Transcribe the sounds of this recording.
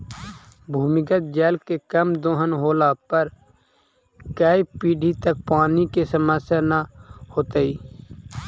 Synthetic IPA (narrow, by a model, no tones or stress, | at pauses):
bʱuːmɪkət̪̚d͡ʒɛːlkekəmd̪õːɦənɦoːlaːpəɾ | kaːipiːɖʱiːt̪ək̚paːnikesəməsjaːnahoːt̪əiː